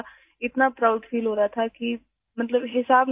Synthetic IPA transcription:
ɪt̪napɾaʊɖfiːlɦoːɾaat̪ʰaki | mɐt̪ləbɦɪsaːbn

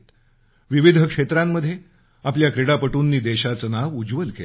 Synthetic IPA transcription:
t̪ | ʋiʋid̪ʱəkʂet̪ɾamːəd̪ʱːje | apljakɾeɽapəʈuːnːiːd̪eɕat͡sənaʋud͡zʋəlkḛl

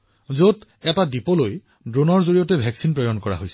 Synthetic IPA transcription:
zot | ɛtadipɔloj | dɹonɔɹzoɹijɔtɛbʱɛksinpɹɔjɔnkɔɹa̰ɦojsɛ

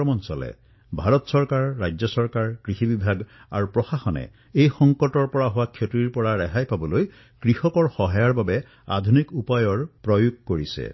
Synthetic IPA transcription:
ɔmɔnsɔlɛ̰ | bʱaɹɔtsɔɹkaɹːajd͡ʒzɔsɔɹkaɹkɹixibibʱaɡ | a̰ɹupɹɔxaxɔnɛ̰ | ejxɔŋkɔtɔɹpɔɹaɦowakʰjotɹiɹpɔɹaɹɛɦajpabɔloj | kɹixɔkɔɹxɔɦajaɹbabɛ | a̰d̪ʱunikupajɔɹpɹɔjuɡ̚koɹisɛ̰

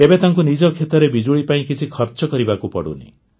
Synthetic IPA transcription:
ebet̪aŋkunid͡ʒɔkʰet̪ɔɾebid͡ʒuɭipaĩkit͡ʃʰikʰɔɾt͡ʃɔkɔɾibakupɔ̰ɽṵnḭ

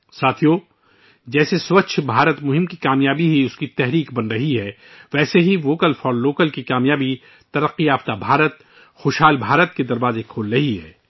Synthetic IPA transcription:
saːt̪ʰijoː | d͡ʒɛːseswɐt͡ʃʰbʱaːɾət̪mʊɦɪmkikaːmjaːbiɦiʊskit̪ɛɦɾiːkbɐnɾɐɦiɦɛː | ʋɛːseɦiʋoːkəlfɔːɾloːkəlkikaːmjaːbi | t̪ɐɾəqːiaːft̪abʱaːɾət̪̚ | xoːʃɦaːlbʱaːɾət̪̚ked̪ɐɾʋaːzekʰoːlɾɐɦiɦɛ̰ː

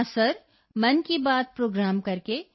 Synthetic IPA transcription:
səɾ | mɐnkibaːd̪̚pɾoːɡɾaːmkɐɾke

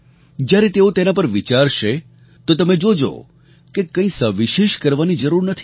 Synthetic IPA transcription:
d͡ʒjaɾet̪eot̪enapəɾʋit͡ʃaɾʃe | t̪ot̪əmed͡ʒod͡ʒo̰ | kekə̃ĩsəʋiʃeʃkəɾʋanid͡ʒəɾuɾnət̪ʰi̥

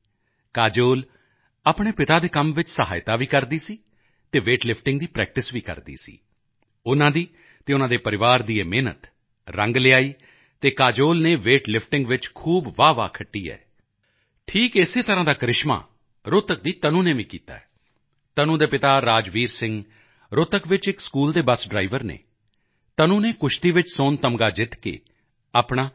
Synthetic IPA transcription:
kaːd͡ʒoːl | apɳ̃eːpɪt̪aːd̪eːkəmʋɪt͡ʃsəɦa̰ːɪt̪aːʋiːkəɾd̪iːsiː | t̪eːʋeːʈlɪpʰʈɪ̃ŋɡd̪iːpɾɛ̰ːk̚ʈɪsʋiːkə̰ɾd̪ḭːsḭː | ʊnãːd̪iː | t̪eːʊnãːd̪eːpəɾɪʋaːɾd̪iːeːmeːnə̰t̪ | ɾə̃ŋɡlɪaːiː | t̪eːkaːd͡ʒoːlneːʋeːʈlɪpʰʈɪ̃ŋɡʋɪt͡ʃkʰuːbʋaːʋa̰ːkʰəʈːiːɛ̰ː | ʈʰiːkeseːt̪əɾãːd̪aːkɾɪʃmã̰ː | ɾʊt̪ək̚d̪iːt̪ənũːneːʋĩːkiːt̪a̰ːɛː | t̪ənũːd̪eːpɪt̪aːɾaːd͡ʒʋiːɾsɪ̃ŋɡ | ɾʊt̪əkʋɪt͡ʃɪkskuːld̪eːbəsɖɾaːɪʋəɾnḛː | t̪ənũːneːkʊʃʰt̪iːʋɪt͡ʃsoːnt̪əmɡaːd͡ʒɪt̪kḛː | aːpɳ̃aː

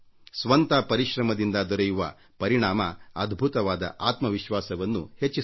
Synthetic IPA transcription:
sʋɐnt̪ɐpɐɾiʃɾɐmɐd̪ind̪ɐd̪ɔɾɐjuʋɐ | pɐɾiɳaːmɐɐd̪ʱbʱut̪ɐʋaːd̪ɐ̰ʔaːt̪mɐʋiʃʋaːsɐʋɐnːṵhet͡ʃːi

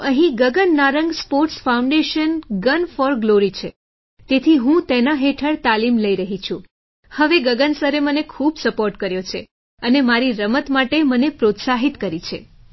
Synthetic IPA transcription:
əɦĩɡəɡənːaɾəŋɡspoɾʈsfaũɳɖeʃənɡənfɔɾɡloɾit͡ʃʰe | t̪et̪ʰiɦũt̪enaɦeʈʰəɽt̪alimləiɾəɦit͡ʃʰũ | həʋeɡəɡənsəɾemənekʰubsəpoɾʈkəɾjot͡ʃʰe | ənemaɾiɾəmət̪maʈemənepɾot̪saɦit̪kəɾit͡ʃʰe

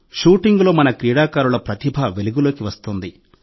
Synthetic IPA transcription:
ʃuːʈiŋɡlo̞ːmɐnɐkɾiːɽaːkaːɾulɐpɾɐt̪ibʱaʋe̞luɡulo̞ːkiʋɐst̪und̪i

